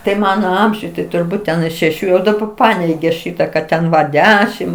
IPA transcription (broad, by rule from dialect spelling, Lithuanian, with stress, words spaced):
tɐɪ ˈmɑːnoː ˈɐmʲʒʲʊj tɐɪ tʊrˈbuːt tʲɛn ɪ ʃʲɛˈʃʲuː jɛʊ dɐˈbɐ ˈpɑːnʲɛɪɡʲeː ˈʃʲiːtɐ kɐt ˈtʲɛn ʋɐ ˈdʲæːʃʲɪm